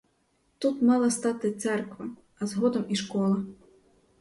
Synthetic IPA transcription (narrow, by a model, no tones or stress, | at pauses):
t̪ut̪mɑlˠɐst̪ɑt̪ɪt̪sɛrkʋɐ | ɐzɦɔd̪ɔmiʃkɔlˠɐ